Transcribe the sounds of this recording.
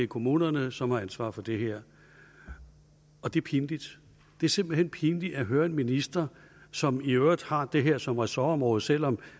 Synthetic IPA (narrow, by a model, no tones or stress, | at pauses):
ekʰo̝muːnɐnəsɒ̽mhɑ̈ænsʋɑ̈ːfɒ̽d̥e̝ɦeɐ̰ | ɒ̽d̥e̝ɐpʰind̥id̥ | d̥e̝æɐse̝m̰b̥l̩henpʰind̥i̥æɦøːɐe̝nminisd̥ɐ | sɒ̽miød̥hɑ̈d̥e̝ɦeɐ̰sɒ̽mʁɛsæɐɒ̽mʁɔ̽ːð̩ˠsel̰ɒ̽m